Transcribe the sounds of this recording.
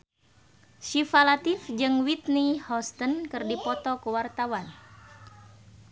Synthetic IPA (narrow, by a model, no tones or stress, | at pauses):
ʃifalat̪ifd͡ʒɨŋwit̪̚nihɔst̪ənkɨrdipɔt̪ɔkuwart̪awan